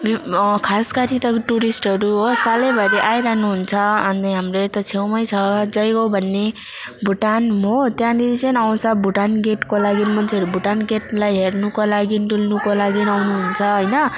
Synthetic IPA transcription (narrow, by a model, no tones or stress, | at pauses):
bkʰaskaɾit̪ʌʈuɾisʈɦʌɾuɦosalebʱʌɾeʔajɾaɦnuɦunt͡sʰʌʌniɦamret̪ʌt͡sʰewmʌjt͡sʰʌd͡zʌjɡobʱʌnːe | bʱuʈanɦot̪jãniit͡sʌnaw̃t͡sʰʌbʱuʈanɡeʈkolaɡinmʌnt͡sʰʌɾubʱuʈanɡeʈlajɦernukolaɡinʈulnukolaɡinawnuɦunt͡sʰʌɦʌjnʌ